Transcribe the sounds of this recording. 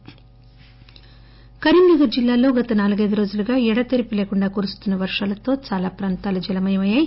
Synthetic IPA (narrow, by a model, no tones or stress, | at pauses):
kɐɾiɳɖɐɡɐɾd͡ʒilːaːlo̞ːɡɐt̪ɐnaːluɡɐjd̪uɾo̞ːd͡ʒuluɡaːɛɽɐt̪eɾipileːkuɳɖaːkoːɾust̪unːɐʋɐɾʂaːlɐt̪o̞ːt͡ʃaːlaːpɾaːnt̪aːlɐud͡ʒɛlɐmɐjɐmɐjaːj